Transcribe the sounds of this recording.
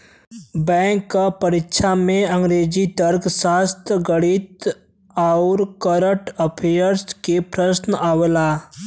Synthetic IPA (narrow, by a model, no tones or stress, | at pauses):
bɛ̃ːŋkːapəɾɪkʃʰamẽə̃ŋɡɾeːd͡ʒit̪əɾksaːst̪əɡəɽit̪ | aʊɾkəɾəʈəpʰeəɾskepɾəsnaʋela